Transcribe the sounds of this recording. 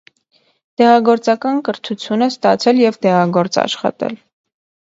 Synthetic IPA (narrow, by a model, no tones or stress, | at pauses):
t̪ɛʁɑɡɔɾt͡sɑkɑnkəɾt̪ʰut͡sʰjunəst̪ɑt͡sʰɛljɛvd̪ɛʁɑɡɔɾt͡sɑ̰ʃχɑ̰t̪ɛ̰l